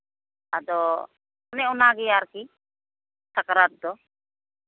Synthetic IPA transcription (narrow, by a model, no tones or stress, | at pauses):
ad̪ɔ | nɛɔnaɡɛjaɾki | sakɾat̪̚d̪ɔ